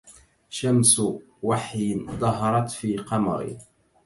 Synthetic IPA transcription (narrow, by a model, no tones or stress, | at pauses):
ʃams | waħjd̪ˤɑɦɑɾˤɑt̪fiːqɑmɑ̰ɾɪ̰